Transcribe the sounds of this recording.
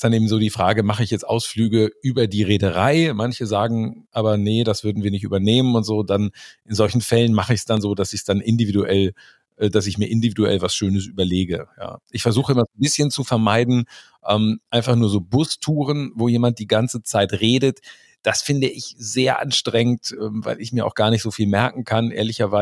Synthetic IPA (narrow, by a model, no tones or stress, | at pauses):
std̥anʔeːbm̩zoːdiːfʁ̥aːɡəmaχəɪçjɛt͡stʔa̰ʊsflyːɡəʔyːbɐdiːʁeːdəʁaɪmançəzaːɡŋ̩ʔaːbɐnəd̥asv̥ʏɐdn̩viːɐnɪçtʔyːbɐneːmənʊntz̥oːdanʔɪnzɔlçn̩fɛlənmaχəɪçsd̥anzoːdasɪçsd̥anʔɪndividuʔɛl | ʔɛːdasɪçmiːɐʔɪndividuɛ̰lvasʃøːnəs̬ʔyːbɐleːɡəja̰ːʔɪçfɛɐzuːχəɪmɐzoːnbɪsçənt͡sufɛɐmaɪdn̩ | ʔɛːmʔaɪ̃nfaχnuːɐzoːbʊstʰuːʁənvoːjeːmant̚d̥iːɡant͡sət͡saɪtʁeːdət | d̥asfɪndəʔɪçz̥eːɐʔa̰nʃtʁ̥ɛŋəntʔɛːmva̰ɪlɪçmiːɐa̰ʊxɡ̥aːɐnɪçtz̥oːfiːlmɛɐkŋ̩kʰanʔḛːɐlɪçɐvaɪ